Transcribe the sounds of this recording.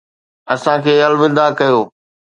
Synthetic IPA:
ɐsãkʰeːɐlʋɪ̃d̪akɐjoː

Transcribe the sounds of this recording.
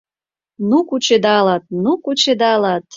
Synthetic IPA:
nukut͡ɕed̪ɑlɑt̪̚nukut͡ɕed̪ɑlɑt̪̚

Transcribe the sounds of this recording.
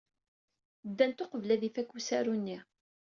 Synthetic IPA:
d̪ːænt̪oqəvlæðifækːusæɾunːi

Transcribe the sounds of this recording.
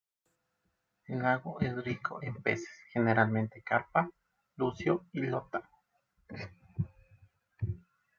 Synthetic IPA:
ŋaɣoʔesrikʰo̰ʔempese̥sxeneɾalment̪ekaɾpa | lusjoilot̪a

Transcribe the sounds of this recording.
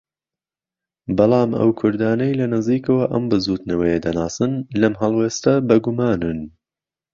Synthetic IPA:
bɑlˠɑːmʔɐ̰wkʰʊɾd̪aːnɐjlɐnɨziːkɐwɐʔɐmbɨzuːt̪nɐwɐjed̪ɐnaːsɨnlɐmɦɐlˠweːst̪ɐbɐɡumaːnɨn

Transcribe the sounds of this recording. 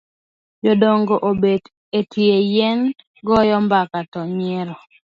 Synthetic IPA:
d͡ʒodoŋɡoʔobed | etʰjejɛn | ɡɔjɔmbakatɔɲɛɾɔ

